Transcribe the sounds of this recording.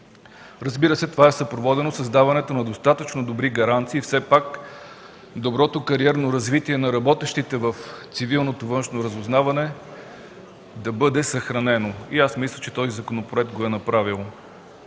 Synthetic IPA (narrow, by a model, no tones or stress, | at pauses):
ɾəzbiɾəsɛt̪ovaɛsɐpɾovɔd̪ɛnosɐzd̪avɐnɛt̪onɐd̪ost̪at̪ət͡ʃnod̪obɾiɡɐɾant̪siːfsɛpak | d̪obɾɔt̪okɐɾiɛɾnoɾɐzvit̪iɛnɐɾɐbɔt̪ɛʃt̪it̪ɛvəft̪sivilˠnot̪ovɤnʃnoɾɐzʊznavɐnɛ | d̪ɐbɤd̪ɛsɐxɾɐnɛnoiasmislʲət͡ʃɛ̥t̪ɔzizɐkonopɾoɛk̚t̪̚ɡoɛnɐpɾavilˠ